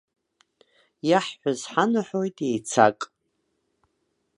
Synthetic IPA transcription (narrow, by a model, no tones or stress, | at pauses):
jaħːʷazħanɨħo̞jtʼejt͡sʰa̰kʼ